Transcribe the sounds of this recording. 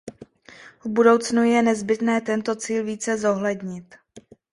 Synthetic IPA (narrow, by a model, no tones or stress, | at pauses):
vbudo̞wt͡snujɛnɛzbɪt̪nɛːt̪ɛnt̪o̞t͡siːlviːt͡sɛzo̞ɦlɛdɲɪt̪